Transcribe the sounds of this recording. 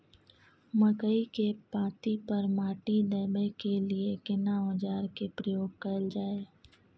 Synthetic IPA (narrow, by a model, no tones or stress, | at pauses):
məkəikepãːt̪ipɐɾmaːʈid̪əːbekeliekɪnaod͡ʒaːɾkepɾəjoːɡ̚kɐld͡ʒaːeː